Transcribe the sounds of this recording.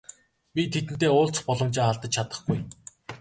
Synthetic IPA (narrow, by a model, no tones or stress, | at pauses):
pʲit̪ʰet̪ɘ̆n̥t̪eːʊːɮt͡sχpɔɮɞ̆mt͡ɕeːχaɮt̪ə̆t͡ɕt͡ɕʰat̪ə̥̆χɡuj